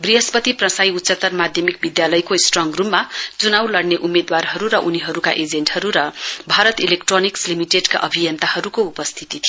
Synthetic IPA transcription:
briɦʌspʌt̪iprʌ̃sajut̪sʌt̪ʌrmad̪ʱjʌmik̚bid̪jalʌjkosʈrʌŋɡrumːat͡sunawlʌɽneʔumːed̪warɦʌɾuɾʌʔuniɦʌɾuka̰ʔed͡zeɳʈhʌɾuɾʌbʱaɾʌt̪ilekʈronikslimiʈeɖka̰ʔʌbʱijʌnt̪ahʌɾukoupʌst̪ʰit̪it̪ʰi

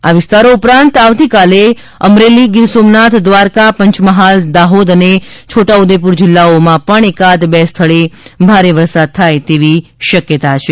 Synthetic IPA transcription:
aʋɪst̪aɾoupɾãnt̪aʋt̪ikale | əmɾeliɡɪɾsomnat̪ʰd̪ʋaɾkapəɲt͡ʃməɦald̪aɦod̪ənet͡ʃʰoʈaud̪ep̬uɾd͡ʒɪlːaomãpəɳekad̪bɛst̪ʰəɭebʱaɾeʋəɾsad̪̚t̪ʰajt̪eʋiʃəkjət̪at͡ʃʰe

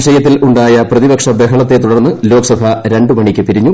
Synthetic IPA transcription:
ʂɐjɐt̪ːilʔuɳɖaːjɐprɐðibɐkʂɐd̪eɦɐɭɐt̪ːe̞t̪uɽɐrnːɨlo̞ːksɐbʱɐɾe̞ɳɖɨmɐɳikʲːɨpiɾiɲːu

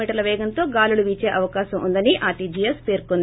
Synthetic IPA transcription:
iːʈɐɾlɐʋɛːɡɐnt̪o̞ːɡaːluluʋiːt͡ʃeːʔɐʋɐkaːʃɐmʔṵnd̪ɐniʔaːʈid͡ʒijɐspeːɾkond̪i

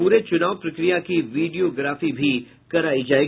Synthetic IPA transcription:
uːɾet͡ʃʊnaːʋpɾɐkɾijakiʋiːɖijoɡɾaːfibʱi | kɐɾaːid͡ʒaːe

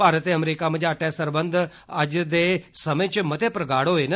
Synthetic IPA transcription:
aːɾət̪eɐmɾiːkaməd͡ʒaʈɛːsəɾbə̃nd̪ʱ | əd͡ʒd̪eːsɐməjt͡ʃɪmɐt̪ʰepɾɐɡaːɽoɦeːnə

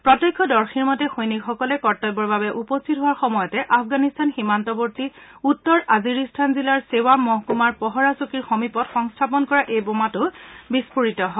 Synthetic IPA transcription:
pɹɔtɔkʰːɔdɔɹxiɹmɔtɛxojnikxɔkɔlɛkɔɹtɔjbɔɹbabɛʔupɔstʰit̚ɦʊwaɹxɔmɔjɔtɛʔapʰɡanistanximantɔboɹtiutːɔɹaziɹistʰanzilaɹsewamɔɦkumaɹpɔɦɔɹasukiɹxɔmipɔtxɔŋstʰapɔnkɔɹaʔejbomatʊbispuɹitɔɦɔ

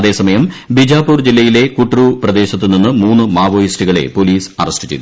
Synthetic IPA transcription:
ɐðe̞ːsɐmɐjɐmbid͡ʑaːpuːrd͡ʑilːɐjile̞kuʈːruprɐd̪e̞ːɕɐt̪ːɨninːɨmuːnːɨmaːʋoːjisʈiɣɐɭe̞̰po̞liːsɐrɐstɨ̥t͡ɕḛt̪ː

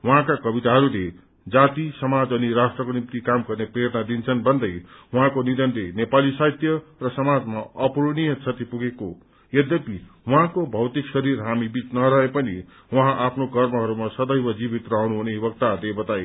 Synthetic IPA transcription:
wʌɦãkakʌbit̪aɦʌɾule | d͡zat̪isʌmad͡zʌniɾasʈrʌkonimt̪ikamɡʌrneprʌjʌt̪nad̪int͡sʰʌnbʱʌnd̪ʌjwʌɦãkonid̪ʌnlenepalisajt̪jʌrʌsʌmad͡zmaʌpuɾɽ̃ijʌt͡sʰʌt̪ipuɡeko | jʌd̪ʌpiwʌɦãkobʱʌwt̪iksʌɾirɦamibit͡snʌɾʌɦepʌnḭ | wʌɦãʔapʰnokʌrmʌɦʌɾumasʌd̪ʌjbʌd͡zibit̪rʌɦunuɦunebʌk̚t̪ad̪ebʌt̪aj

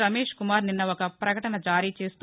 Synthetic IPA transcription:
ɾɐmeːʂkumaːɾninːɐɔkɐpɾɐkɐʈɐnɐd͡ʒaːɾiːt͡ʃe̞ːst̪

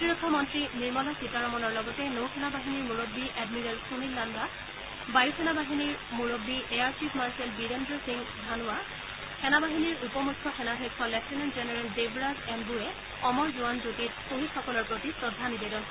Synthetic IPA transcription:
otiɹɔkʰːɔmɔntɹiniɹmɔlɔjsitaɹɔmɔnɔɹlɔɡɔtɛnowkʰɛnabaɦiniɹmuɹobːiʔɛdmiɹɛlsunilːanba | bajukʰɛnabaɦiniɹmuɹobːiʔeaɹt͡ʃipmaɹsɛlbiɾendɹɔsiŋdʱanʊwa | kʰɛnabaɦiniɹupɔmukʰːɔxʰɛnadʱɔjkʰːɔlɛksinanzɛnɛɹɛldebɹazɛnbuɛ | ɔmɔɹzuwanzotit̚xoɦitxɔkɔlɔɹpɹotisɹɔdʱːanidedɔn

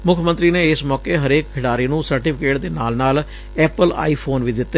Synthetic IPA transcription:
mʊkʰmənt̪ɾiːneɪsmɔːkeːɦəɾeːkkʰɪɽaːɾiːnũːsəɾʈiːpʰɪkeːʈd̪eːnaːlnaːl | ɛːpəla̰ːiːpʰoːnʋiːd̪ɪt̪ː

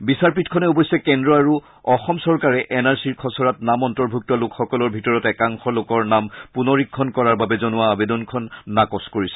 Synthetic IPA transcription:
bisaɹpitkʰɔnɛubɔjsɛkɛndɹɔaɹu | ɔxɔmsɔɹkaɹɛʔɛnaɹsiɹkʰɔsɔɹatnamɔntɔɹbʱuk̚tɔlokxɔkɔlɔɹbʱitɔɹɔtɛkaŋxɔlokɔɹnampunɔɹikʰːɔnkɔɹaɹbabɛzɔnʊwaːbedɔnkʰɔnːakɔskoɹisɛ̥

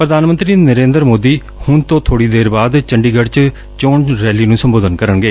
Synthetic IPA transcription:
pɾəd̪aːnmənt̪ɾiːnəɾẽːnd̪əɾmoːd̪iː | hʊnt̪õːt̪ʰoːɽiːd̪eːɾbaːd̪t͡ʃəɳɖiːɡəɽt͡ʃ | t͡ʃõːɳɾɛːliːnũːsəmboːd̪ənkəɾənɡəeː

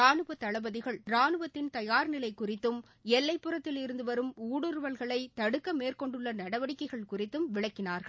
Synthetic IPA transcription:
aːnɯʋɐt̪ːɐɭɐbɐðɪɣɐɭɾaːnɯʋɐt̪ːɪnt̪ɐjaːɾnɪlɐɪkːʊrɪt̪ːɯm | ɛlːɐɪpːɯrɐt̪ːɪlɪɾɯnd̪ɯʋɐɾɯmuːɽɯɾʋɐlɣɐɭɐɪt̪ɐɽɯkːɐmeːrkɔɳɖɯɭːɐnɐɽɐʋɐɽɪkːɐɪɣɐɭkʊrɪt̪ːɯmʋɪɭɐkːɪnaːɾɣɐ

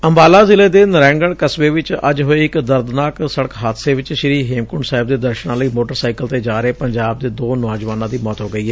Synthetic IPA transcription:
əmbaːlaːzɪleːd̪eːnəɾɛ̃ːŋɡəɳkəsʋeːʋɪt͡ʃə̰d͡ʒɦoeːɪkd̪əɾd̪naːksəɽəkɦaːt̪seːʋɪt͡ʃʃɪɾiːɦeːmkʊɳɖsaːɪb̚d̪eːd̪əɾʃnãːləiːmoːʈəɾsaːikəlt̪eːd͡ʒaːɾeːpəɲd͡ʒaːb̚d̪eːd̪oːnɔːd͡ʒʋaːnãːd̪iːmɔːt̪ɦoːɡəiːɦɛː

